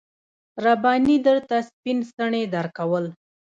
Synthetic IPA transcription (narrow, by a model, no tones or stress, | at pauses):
ɾabɑnid̪əɾt̪aspinst̪əɳed̪aɾkawəl